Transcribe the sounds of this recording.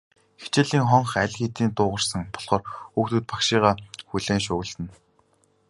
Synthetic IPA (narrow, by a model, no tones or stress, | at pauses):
xet͡ɕɪɮiːŋχɔɴχæɮʲxet̪iːnt̪ʊːʁə̆r̥sə̆ŋpɔ̥ɮ̥χɔːrukt̪ŭːt̪̚pḁkʃiːʁaːxuɮeːnʃʊːɣɘ̆ɮt̪ɘ̆n